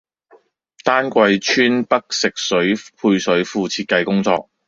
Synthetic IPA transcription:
t̪aː˥nkʷɐ˧jt͡ʃʰyː˥npɐ˥k̚sɪ˨k̚sɵ˨˥ɥpʰuː˧jsɵ˨˥ɥfuː˨˧t͡sʰiː˧t̚kɐ˧jkʊ˥ŋt͡sɔ̰ː˧k̚

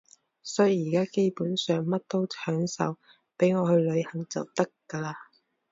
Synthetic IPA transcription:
sɔː˨˥jjiː˨˩kaː˥ke˥jpuː˨˥nsœː˨ŋmɐ˥t̚t̪o˥wt͡ʃʰœː˨˥ŋsɐ̰˨˧w | pe˨˥jŋɔː˨˧hɵ˧ɥlɵ˨˧ɥhɐ˨ŋt͡sɐ̰˨wt̪ɐ˥kːɐ˧laː˧

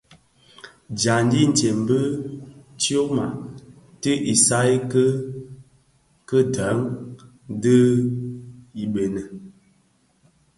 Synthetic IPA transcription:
d͡ʒa˨n˦di˦n̩˨te˨m˨bə˦ | ti˦o˦ma̰˨ | tə˦ʔi˨sa˦i˦kə˦ | kə˦da˨˦ŋ˦ | də˦ | i˨be˨nə˨

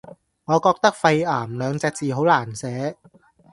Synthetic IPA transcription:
ŋɔː˨˧kɔː˧k̚t̪ɐ˥k̚fɐ˧jaː˨˩mlœː˨˧ŋt͡sɛː˧k̚t͡siː˨˩ho˨˥wlaː˨˩nsɛː˨˥

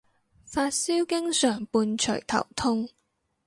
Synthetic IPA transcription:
faː˧t̚siː˥wkɪ˥ŋsœː˨˩ŋpuː˧nt͡ʃʰɵ̰˨˩jt̪ʰɐ̰˨˩wt̪ʰʊ˥ŋ

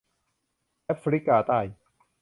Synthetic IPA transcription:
ʔɛ˦˥fʰɾi˦˥kːaː˧t̪a˧˩j

